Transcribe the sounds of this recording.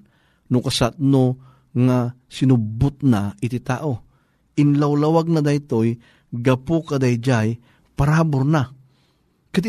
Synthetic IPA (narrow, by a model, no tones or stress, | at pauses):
nʊkɐsat̪̚no | ŋa | sɪnʊbʊt̪̚naʔɪt̪ɪt̪a̰ːʔo | ʔɪnlawlawaɡ̚nad̪ajt̪oj | ɡɐpukad̪ajd͡ʒaj | paɾabʊɾna | kɐd̪